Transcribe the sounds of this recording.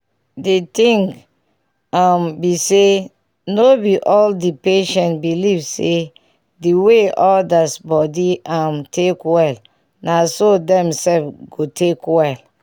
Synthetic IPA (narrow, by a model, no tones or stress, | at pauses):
detĩŋk | ambise | nobiʔɔldipeʃɛ̃ntbilivse | diweʔɔldasbɔdiʔãmtʰekwɛl | nasodɛ̃msɛlfɡotʰekwɛl